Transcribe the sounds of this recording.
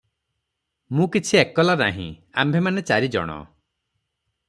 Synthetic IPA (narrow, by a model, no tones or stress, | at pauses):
mũkit͡ʃʰiekɔlanaɦḭ̃a̰mbʱemanet͡ʃaɾid͡ʒɔ̰ɽ̃ɔ̰